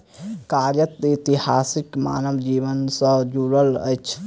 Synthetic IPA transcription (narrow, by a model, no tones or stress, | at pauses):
kaɾjət̪it̪ihaːsikma̰ːnəʋd͡ʒiːʋənsə̃d͡ʒuɾələ̰jt͡ʃʰ